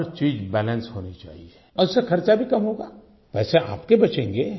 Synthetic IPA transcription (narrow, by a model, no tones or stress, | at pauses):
ɾt͡ʃiːzbɛːlə̃nsɦoːnit͡ʃa̰ːɦie | ɔʊsexɐɾt͡ʃabʱikɐmɦoːɡa̰ː | ʋɛːseʔa̰ːpkebɐt͡ʃẽːŋɡeː